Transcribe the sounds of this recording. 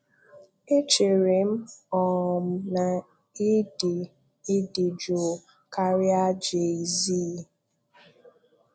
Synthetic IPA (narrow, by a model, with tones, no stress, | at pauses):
e˦t͡ʃe˨ɾe˨m̩˦ɔ˨m̩˨˦na˨ | i˦di˨ | i˦di˨d͡ʒo˨ | ka˦ɾja˦d͡ʒe˨i˨ziː˦˨